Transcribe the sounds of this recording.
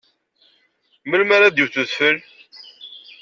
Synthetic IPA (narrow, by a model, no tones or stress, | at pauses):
məlmaɾad̪juθuθfəl